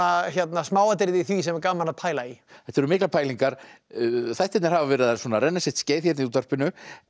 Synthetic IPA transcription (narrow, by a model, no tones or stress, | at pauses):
açjɛt̪nasmaːwat̪̬ɪɾðɪθvisɛmɛɾkaːmanaðpʰaːjlaiɛ̥t̪ːɛɾʏmɪklapʰaːjliŋkaɾ̥ | θajht̪ɛt̪nɛɾhavavɛːɾɪðaswɔːnaɾɛnːasjɛht̪sceːjθçɛt̪niuːt̪ar̥pɪnʏ